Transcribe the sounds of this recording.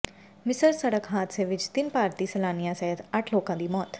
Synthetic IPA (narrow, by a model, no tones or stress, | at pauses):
mɪsəɾsəɽəkɦaːt̪seːʋɪt͡ʃt̪ɪnpaːɾt̪iːsəlaːnijãːsɛɦət̪əʈʰloːkãːd̪iːmɔːt̪